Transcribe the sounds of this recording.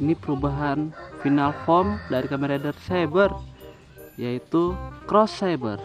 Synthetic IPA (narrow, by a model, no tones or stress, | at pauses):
nipəɾubaɦanfinalfɔmdaɾikamɛɾadərsajbər | jait̪ukɾɔsːajbə̰r